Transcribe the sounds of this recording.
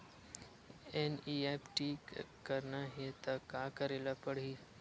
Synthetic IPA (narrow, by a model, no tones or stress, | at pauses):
eniːepʈiːkəɾnaɦet̪ɐkaːkəɾeːlapəɽ̤iː